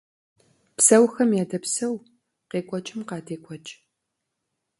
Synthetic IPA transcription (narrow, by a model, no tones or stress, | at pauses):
psɐwxɐmjaːdɐpsɐw | qeːkʷʼɔt͡ʃʼɪmqɑːdeːkʷʼɔt͡ʃʼ